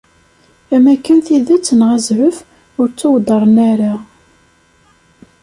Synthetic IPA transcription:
æmækːænθiðæt͡sːənʁæzʕəf | ʊɾt͡sːʊwd̪ˤəɾˤənæɾa

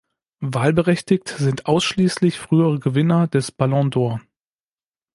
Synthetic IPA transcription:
vaːlbəʁɛçtɪktz̥ɪntʔaʊsʃliːslɪçfʁ̥yːəʁəɡəvɪnɐd̥ɛsb̥alɔ̃doːɐ

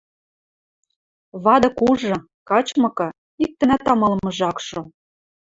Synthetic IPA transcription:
βɑd̪ɤ̆kuʒɤ̆ | kɑt͡ɕmɤ̆kɤ̆ | ik̚t̪ɘ̆næt̪ɑmɤ̆lmɤ̆ʒɑkʃŏ

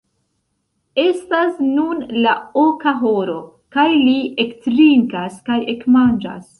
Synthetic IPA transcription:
e̞stasnunlaokaɦoɾo̞ | kajliektɾiŋkaskaje̞kmand͡ʒa̰s

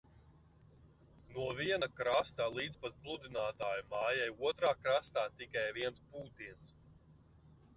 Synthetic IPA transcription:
nuɔviɛnakɾast̪alˠiːd̪zpaz̚plˠud̪inaːt̪aːjumaːjajuɔt̪ɾaːkɾast̪aːt̪ikajviɛnspuːt̪iɛns

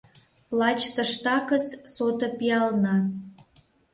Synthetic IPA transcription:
lɑt͡ɕt̪ə̆ʃt̪ɑkəssot̪ɤ̆piɑlnɑ

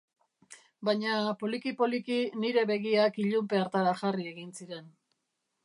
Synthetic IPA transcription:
bajɲapo̞likipo̞likiniɾe̞βe̞ɣiakiʎumpe̞aɾt̪aɾaʝarie̞ɣinsiɾe̞n

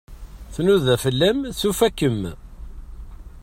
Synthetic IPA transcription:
θnuðæfəlːæmθufækːəm

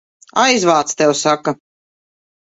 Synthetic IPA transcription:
ajzvaːt̪st̪ɛwsaka

